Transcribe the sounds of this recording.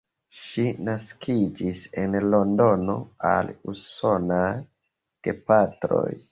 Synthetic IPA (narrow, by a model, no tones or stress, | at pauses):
ʃinaskʰid͡ʒise̞nlo̞ndo̞no̞̰a̰luso̞naj | kepatɾo̞̰j